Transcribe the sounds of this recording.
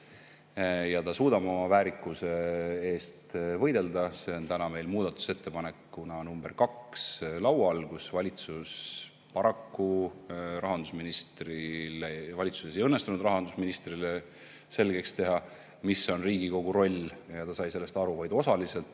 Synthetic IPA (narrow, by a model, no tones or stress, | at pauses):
jɑt̪ɑsuːd̪ɑbo̞mɑvæːɾikːˑuse̞e̞ːst̪vɤjd̪e̞ld̪ɑse̞o̞nt̪ænɑme̞jlmuːd̪̥ɑt̪ːˑu̥se̞t̪ːe̞pɑne̞kːunɑonumb̥erkɑkslɑwɑlɡ̥usvɑlʲit̪sus | pɑɾɑkːu | rɑɦɑnd̪̥usminist̪rilevɑlʲit̪su̥se̞s̬ejɤnːest̪unud̪rɑɦɑnd̪̥usminist̪rile | se̞lɡ̥e̞kst̪e̞ɦɑ | misːo̞nriːɡiko̞ɡ̥uɾo̞lʲjɑt̪ɑsɑjse̞lːe̞st̪ɑɾuvɑjd̪o̞sɑlise̞lt̪ːˑ